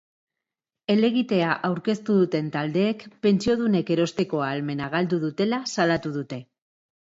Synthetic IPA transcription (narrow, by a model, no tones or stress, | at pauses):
e̞le̞ɣ̞it̪e̞aʔawɾke̞st̪uðut̪e̞nt̪ald̪e̞ːkpe̞nt͡sio̞ð̞une̞ke̞ɾo̞st̪e̞ko̞aːlme̞naɣ̞ald̪uðut̪e̞lasalat̪uð̞ut̪e̞